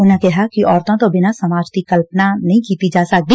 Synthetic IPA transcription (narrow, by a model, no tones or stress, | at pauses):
ʊnãkɛɦakiʔɔːɾt̪õt̪obɪnasɐmaːd͡ʒt̪ikɐlpnanɐɦĩkiːt̪id͡ʒaːsɐk̚d̪iː